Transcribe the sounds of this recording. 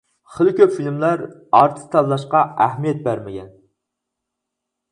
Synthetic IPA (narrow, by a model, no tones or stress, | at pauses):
χəlkʲøpfilmlˠæɾɑɾt̪ʰɨ̥st̪ʰɑllˠɑʃqɑæhmijɛt̪̚bæɾmɪɡʲɛn